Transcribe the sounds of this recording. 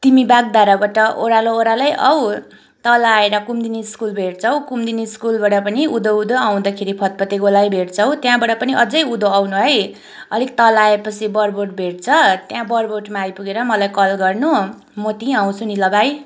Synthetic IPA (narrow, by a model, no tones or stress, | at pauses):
t̪imibaɡ̚d̪aɾabaʈʌʔoɾalooɾalajʔʌw | t̪ʌlaeɾʌkumd̪iniskulbʱeʈt͡sʰʌw̃kumd̪iniskulbaɽʌpʌniud̪oud̪oaw̃d̪akʰeɾipʰʌt̪̚pʌt̪eɡolajbʱeʈt͡sʰʌw̃t̪jãbaɽʌpʌniʔʌd͡zʌjud̪oawnuɦʌj | ʌ̰lik̚t̪ʌlaepʌt͡sʰibʌrboʈ̚bʱeʈ̚t͡sʰʌt̪jãbʌrboʈmaːjpuɡeɾʌmʌlajkʌlɡʌrnu | mʌt̪iaw̃t͡sʰunilʌbaj